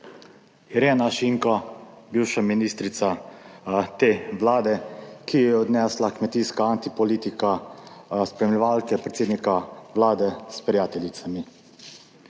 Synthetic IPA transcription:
iɾeːnaʃiŋkɔbiwʃaminist̪ɾit̪sa | t̪eːʋlaːd̪ɛkijɛɛɔd̪nɛːslakmɛt̪iːskaant̪ipɔliːt̪ika | spɾɛmlʲɛʋalkɛpɾɛt̪seːd̪nikaʋlaːd̪ɛspɾʲijaːt̪ɛlit̪sami

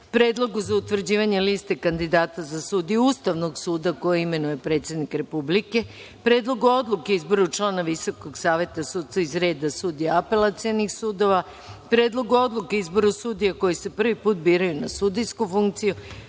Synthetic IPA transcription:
pɾe̞ːd̪lˠo̞ɡuzaut̪ʋr̩d͡ʑiːʋaɲe̞list̪e̞kand̪id̪aːt̪azasuːd̪ijuust̪aʋno̞ɡsuːd̪ako̞jeime̞nuje̞pɾe̞ːt̪sjed̪nikɾe̞publike̞ | pɾe̞ːd̪lˠo̞ɡuo̞d̪lˠukeizbo̞ɾut͡ʃlˠaːnaʋiso̞koɡsaːʋje̞t̪asuːt̪saizɾe̞ːd̪asuːd̪ijaape̞lat̪sijonixsuːd̪o̞ʋa | pɾeːd̪lˠo̞ɡuo̞d̪lˠuke̞izbo̞ɾusuːd̪ijako̞jise̞pr̩ʋipuːt̪̚biːɾajunasud̪ijskufuŋkt̪siju

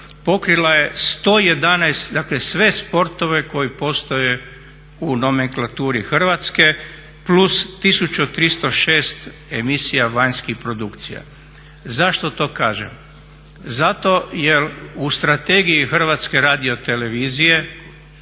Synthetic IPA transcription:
po̞kɾilˠaje̞st̪o̞ːje̞d̪anajst̪d̪aklesʋe̞spo̞ɾt̪o̞ʋe̞ko̞jipo̞st̪o̞je | uno̞me̞ŋklˠat̪uːɾixr̩ʋat̪ske̞ | plust̪isut͡ʃut̪ɾist̪o̞ʃe̞ːst̪emisijaʋaɲskixpɾo̞d̪ukt̪sḭja̰ | zaʃt̪o̞t̪o̞ːkaːʒḛm | zat̪o̞jeust̪ɾat̪e̞ɡijixr̩ʋat̪ske̞ɾaːd̪io̞t̪e̞le̞ʋiːzije̞

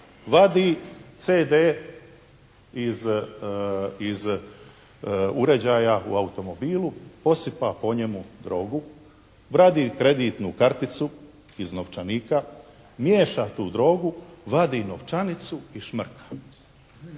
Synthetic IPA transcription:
ʋad̪it̪seːd̪eː | iz | iz | uɾe̞d͡ʑaːjaṵaut̪o̞mo̞biːlupo̞sipapo̞ɲe̞mud̪ɾo̞ːɡu | ʋɾad̪iːkɾe̞d̪iːt̪nukaɾt̪it̪su | izno̞ʋt͡ʃaniːka | mje̞ːʃat̪uːd̪ɾo̞ːɡuʋad̪ino̞ʋt͡ʃanit̪suiʃmr̩kʰḁ

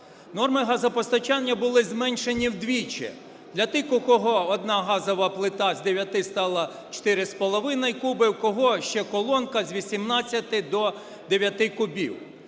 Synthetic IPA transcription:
nɔrmɪɦɑzɐpɔst̪ɐt͡ʃɑnʲːɐbʊlˠɪzmɛnʲʃenʲiwd̪ʋʲit͡ʃɛ̰ | d̪lʲɐt̪ɪkʊkɔɦɔɔd̪nɑɦɑzɔʋɐplˠɪt̪ɑzd̪eʋʲjɐt̪ɪst̪ɑlˠɐ | t͡ʃt̪ɪɾɪspɔlˠɔʋɪnɐjkubɪwkɔɦɔʃt͡ʃɛkɔlˠɔnkɐzʋʲisʲimnɑt͡sʲːɐt̪ɪd̪ɔ | d̪eʋʲjɐt̪ɪkʊbʲḭw

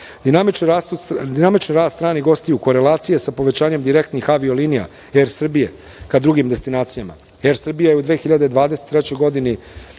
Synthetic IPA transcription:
d̪inami | d̪inamit͡ʃniɾaːd̪t̪ɾaːniɡo̞st̪ijuko̞ɾe̞lˠaːt̪sije̞sapo̞ʋe̞t͡ɕaːɲe̞md̪iɾe̞kt̪nixaʋio̞liːnija̰ | eɾsr̩bije̞ | kad̪ɾuɡimd̪e̞st̪inaːt̪sijama̰ | eɾsr̩bijajeud̪ʋeːxiʎad̪ed̪ʋaːd̪eset̪ːɾet͡ɕo̞jɡo̞d̪ini

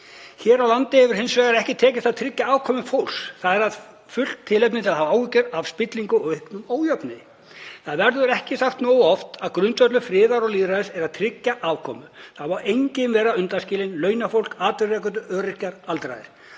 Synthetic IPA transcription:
çɛːɾawlant̪ɪhɛvʏɾ̥hejnsvɛːɣaɾɛhcɪt̪ʰɛːcɪst̪aðt̪ʰɾɪcːaaːvkʰɔːmʏfowlsθaðɛɾað | fʏl̥t̪t̪ʰːɪlɛp̬̚nɪt̪ʰɪlahavaːwɪcʏɾav̥spɪt̪liŋkʏɔɣʏhknʏmoːwjœpnɪ | θaðvɛɾðʏɾɛhcɪsaxt̪noːwɔft̪aðkɾʏnt̪vœt̪lʏfɾɪːðaɾɔɣliːðɾaðɪsɛɾaðt̪ʰɾɪcːaʔaːvkʰɔːmʏθaðmawʔejɲcɪmvɛːɾaʏnt̪anscɪːlɪnlœːɥnafowl̥kaːt̪ɪrɛːkʏnt̪̬ʏœːɾɪ̥caɾalt̪ɾa̰jðɪɾ̥

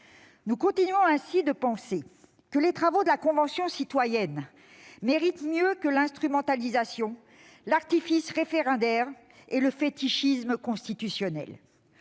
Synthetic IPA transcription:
nukɔ̃t̪inɥɔ̃ɛ̃sid̪əpɑ̃se | kəlet̪χavod̪əlakɔ̃vɑ̃sjɔ̃sit̪wajɛn | meʁit̪mjøkəlɛ̃st̪χymɑ̃t̪alizasjɔ̃ | laʁt̪ifisʁefeʁɑ̃d̪ɛʁ | eləfet̪iʃisməkɔ̃st̪it̪ysjɔnɛ̰l

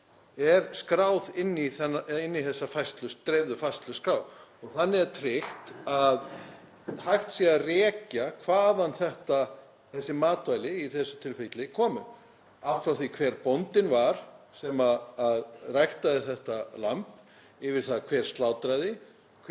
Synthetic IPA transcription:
ɛɾskɾaːwðɪnːiθɛɪnːiθɛsːafajst̪lʏst̪ɾɛːvðʏfajst̪lʏskɾaːwɔɣθanːɪɛɾt̪ʰɾɪxt̪að | hajxt̪siarɛːcakʰvaːðanθɛht̪a | θɛsːɪmaːt̪vajlɪiθɛsːʏt̪ʰɪlfet̪lɪkʰɔːmʏ̰ | aft̪fɾawθikʰvɛːɾpownt̪ɪnvaɾ̥ | sɛmaːðrajxt̪aðɪθɛht̪alamp | ɪvɪɾ̥θaðkʰvɛːɾ̥st̪laːwt̪ɾajðɪ | kʰ

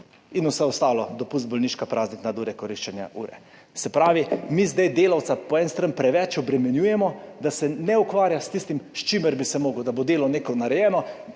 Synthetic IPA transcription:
inusɛɔst̪aːlɔd̪ɔpust̪̚bɔlniʃkapɾʔaːzniknad̪uːɾɛkɔɾiʃt͡ʃɛnja̰ʔṵːɾɛ̰ | sɛpɾaːʋimizd̪ajd̪eːlawt̪sapɔɛnst̪ɾanpɾɛʋɛt͡ʃɔbɾɛmɛnjuːjɛmɔd̪asɛnɛukʋaːɾjast̪ist̪imʃt͡ʃiməɾbisɛmoːɡʊd̪abod̪eːlɔneːkɔnaɾɛjɛːnɔ

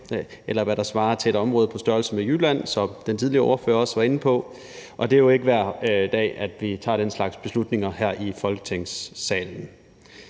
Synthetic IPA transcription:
elɐʋæɐɾ̥ɑ̈sʋɑ̈ːt͡sʰe̝eɾɒ̽mʁɔ̽ːð̞̩ˠpʰɒ̽sd̥ɶɐlsəmejyːlæn̰sɒ̽d̥ent͡sʰið̞ˠliɐɒ̰ɐfø̰ːɐɒ̽sʋɑ̈e̝n̩pʰɒ̽ | ʔɒ̽d̥e̝æjo̝e̝ɡ̥əʋæɐ̰d̥ɛ̰ːæd̥ʋit͡sʰɑ̰̈ːɾ̥enslɑ̈ɡ̥sb̥e̝slud̥ne̝ŋɐhæɐ̰ʔifɒ̽lɡ̥ə̥t͡sʰeŋ̰sːɛ̰ːln̩

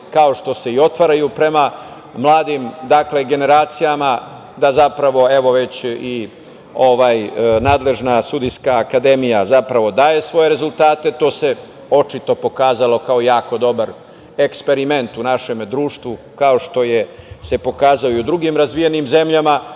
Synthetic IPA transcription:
kao̞ʃt̪o̞se̞io̞t̪ʋaɾajupɾe̞ma | mlˠaːd̪imd̪akle̞ɡe̞ne̞ɾaːt̪sijama | d̪azapɾaʋo̞e̞ʋo̞ʋe̞t͡ɕi | o̞ʋaːjnaːd̪le̞ʒnasud̪iskaːkad̪e̞mijazapɾaʋo̞d̪aːje̞sʋo̞je̞ɾe̞zult̪aːt̪e̞t̪o̞ːse̞ | o̞t͡ʃit̪o̞po̞kaːzalo̞kaojaːko̞d̪o̞baɾ | ekspe̞ɾime̞nt̪unaʃe̞md̪ɾuːʃt̪ʋu | kao̞ʃt̪o̞jese̞po̞kaːzaoud̪ɾuɡimɾazʋije̞nimze̞mʎama

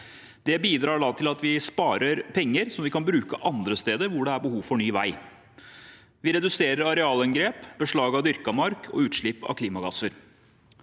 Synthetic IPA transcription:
d̪̥ɛbiːd̪ɾɑːɖɑːt̪ʰɪlɑt̪ʋɪspɑːɾʔəɾpʰɛŋːəɾsɔmʋɪkɑnbɾʉːkəʔɑnd̪ɾəst̪eːd̪əɾʋʊɖɛæɾbəhuːʋfɔɳyːʋæ̰ɪ | ʋɪɾɛd̪ʉseːɾəɾɑɾɛɑːlɛŋɡɾeːpbəʂɭɑːɡɑd̪ʏɾkɑmɑɾkʰɔ̰ʉːt̪ʂɭɪpːɑ̰ʋkʰliːmɑɡɑsəɾ

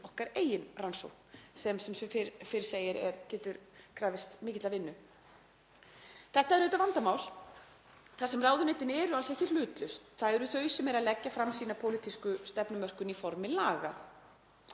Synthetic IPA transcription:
ɔhkaɾeːjɪnranso̰whknsɛmsɛmsfɾfɪɾɪ̥seːjɪɾɛ̰ɾcɛːt̪ʏɾkʰɾaːvɪst̪mɪːcɪt̪lavɪnːʏ | θɛht̪aɛɾʏːt̪avant̪amaːwl | θasɛmraːwðʏnejt̪ɪnɛːɾʏalsɛhcːɪlʏːt̪lʏst̪θaðɛɾʏθœːɥsɛmɛɾaðlɛcːafɾamsiːnapʰoːwlit̪ʰiskʏst̪ɛpnʏmœr̥kʏnifɔɾmɪlaːɣa

